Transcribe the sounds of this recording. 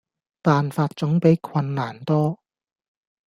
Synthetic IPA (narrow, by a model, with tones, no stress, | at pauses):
paː˨nfaː˧t̚t͡sʊ˨˥ŋpe˨˥jkʰwɐ˧nːaː˨˩nt̪ɔː˥